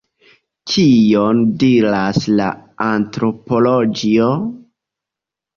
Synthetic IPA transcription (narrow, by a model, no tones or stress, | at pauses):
t͡ʃijo̞ndiɾasla̰antɾo̞po̞lod͡ʒio